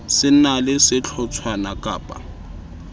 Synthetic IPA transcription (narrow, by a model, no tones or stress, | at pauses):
sɪn̩nalɪsɪt͡ɬʰɔt͡sʰwanakʼaːpʼa̰